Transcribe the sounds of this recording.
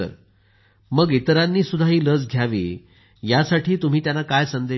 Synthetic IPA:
ə̰ɾ | məɡit̪əɾanːiːsud̪ʱaɦiːləd͡zɡʱjaʋḭː | jasaʈʰiːt̪um̤iːt̪janːakajsənd̪e

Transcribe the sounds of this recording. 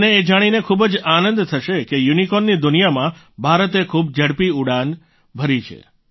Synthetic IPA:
neːd͡ʒaɽ̃inekʰubəd͡ʒanənd̪t̪ʰəʃekejunikɔnːid̪ʊnijamã | bʱaɾət̪ekʰub̚d͡ʒəɽpiuɽan | bʱəɾit͡ʃʰḛ

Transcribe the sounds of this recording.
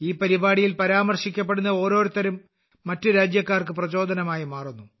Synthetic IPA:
iːpɐɾibaːɽijilpɐɾaːmɐrɕikʲːɐp̬ːe̞ɽunːɐo̞ːɾo̞ːɾut̪ːɐɾumː | ɐtːɨɾaːd͡ʑjɐkːaːrkɨprɐt͡ɕo̞ːd̪ʱɐnɐmaːjimaːrunːu

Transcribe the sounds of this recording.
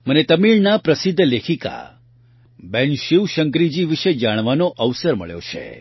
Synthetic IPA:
mənet̪əmiɭnapɾəsɪd̪ʱːlekʰika̰ | bɛnʃiʋʃəŋkɾid͡ʒiʋiʃed͡ʒaɽ̃ʋanoʔəʋsəɾmə̰ɭjo̰t͡ʃʰḛ

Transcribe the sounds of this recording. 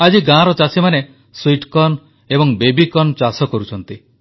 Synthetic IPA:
ad͡ʒiɡãɾɔt͡ʃasimane | swiʈkɔn | ebɔŋbebikɔnt͡ʃasɔkɔɾut͡ʃʰɔnt̪i

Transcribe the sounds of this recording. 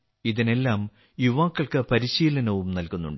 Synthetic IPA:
iðine̞lːaːm | juʋaːkːɐɭkɨpɐɾiɕiːlɐnɐʋumnɐlkunːṵɳɖ

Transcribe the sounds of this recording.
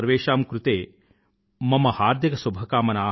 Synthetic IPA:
ɐɾʋeːʃaːmkɾut̪eː | mɐmɐhaːɾd̪ʱjɐkɐsubʱɐkaːmɐnaː

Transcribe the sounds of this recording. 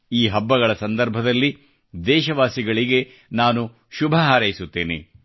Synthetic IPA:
iːɦɐbːɐɣɐɭɐsɐnd̪ɐɾbʱɐd̪ɐlːi | d̪ɛːʃɐʋaːsiɡɐɭiɡe̞ | naːnu | ʃubʱɐɦaːɾɐjisut̪ːeːnḛ

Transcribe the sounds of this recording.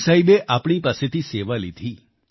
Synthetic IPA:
saibeʔapɳ̃ipaset̪iseʋalid̪ʱi

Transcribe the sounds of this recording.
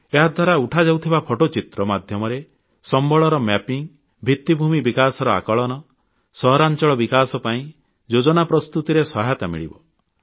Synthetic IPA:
eɦad̪ʱwaɾauʈʰad͡ʒawt̪ʰibapʰɔʈot͡ʃit̪ɾɔmad̪ʱjɔmɔɾe | sɔmbɔɭɔɾɔmɛpiŋ | bʱit̪ːibʱumibikasɔɾɔa̰kɔɭɔnɔ | sɔɦɔɾant͡ʃɔɭɔbikasɔpaĩ | d͡ʒod͡ʒɔnapɾɔst̪ut̪iɾesɔɦajt̪amḭɭibɔ

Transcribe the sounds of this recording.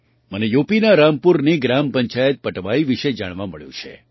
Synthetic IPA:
mənejopinaɾampuɾniɡɾampəɲt͡ʃajət̪̚pəʈʋaiʋiʃed͡ʒaɽ̃ʋaməɭjṵ̃t͡ʃʰḛ

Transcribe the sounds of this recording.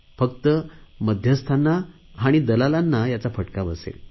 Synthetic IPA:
fəkt̪əməd̪ʱjəst̪ʰanːa | ɦaɽ̃id̪əlalanːajat͡safəʈkabəsḛl

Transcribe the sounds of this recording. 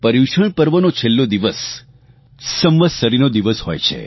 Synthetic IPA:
pəɾiʃəɳ̃pəɾʋənot͡ʃʰelːod̪iʋəs | əmʋəsəɾinod̪iʋəshojt͡ʃʰḛ

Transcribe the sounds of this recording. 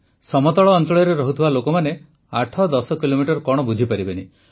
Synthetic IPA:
sɔmɔt̪ɔɭɔːntɔɭjɔɾeɾɔɦut̪ʰibalokɔmane | aʈʰɔd̪ɔsɔkilomiʈɔɾkɔɽ̃ɔbud͡ʒʱipaɾibeni

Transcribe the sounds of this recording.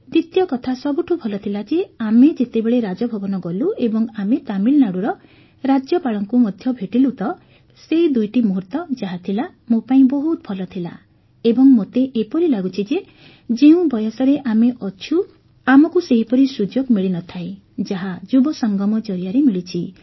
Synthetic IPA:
d̪it̪jɔkɔt̪ʰasɔbuʈʰubʰʱɔlɔt̪ʰilad͡ʒeamed͡ʒet̪ebeɭeɾad͡ʒɔbʱɔbɔnɔɡɔluebɔŋamet̪amilnaɽuɾɔ | ɾad͡ʒjɔpaɭɔŋkumɔd̪ʱjɔbʱeʈilut̪ɔ | seɦid̪ujʈimuɦuɾt̪ɔd͡ʒaɦat̪ʰila | mopaĩbɔɦut̪̚bʱʰɔlɔt̪ʰila̰ | ebɔŋmot̪eʔepɔɾilaɡut͡ʃʰid͡ʒe | d͡ʒeũbɔjɔsɔɾeʔameʔɔt͡ʃʰu | amɔkuseɦipɔɾisud͡ʒoɡmiɭinɔt̪ʰae | d͡ʒaɦad͡ʒubɔsɔŋɡɔmɔd͡ʒɔɾijaɾemiɭit͡ʃʰi

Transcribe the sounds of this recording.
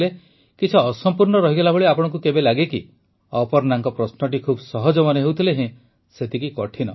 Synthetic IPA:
le | kit͡ʃʰiɔsɔmpuɾnɔɾɔɦiɡelabɔɭiapɔɽ̃ɔŋkukebelaɡeki | ɔpɔɾnaŋkɔpɾɔsnɔʈ̬ikʰubsɔɦɔd͡ʒɔmɔnɔɦewt̪ʰileɦẽ | set̪ikikɔʈʰinɔ

